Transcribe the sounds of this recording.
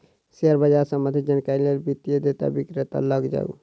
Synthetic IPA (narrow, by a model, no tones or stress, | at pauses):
seəɾbəd͡ʒaɾsəməd̪ʱid͡ʒənkaɾilelbit̪ijed̪et̪a̰bikɾet̪a̰ləɡd͡ʒa̰ṵ